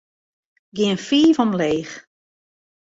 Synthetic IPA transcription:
ɡɪənfiːvɔmleːx

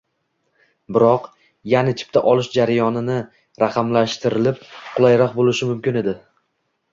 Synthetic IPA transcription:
bɪɾɒq | janat͡ʃʰɪ̥p̚t̪ʰaʔɒlˠɪʃd͡ʒaɾajɒnɪnɪ | ɾaqʰɑmlaʃt̪ɪɾɪlɪp̚qʰʊlˠajɾɒqbolˠɪʃɪmʊmkʲɪne̞d̪ɪ

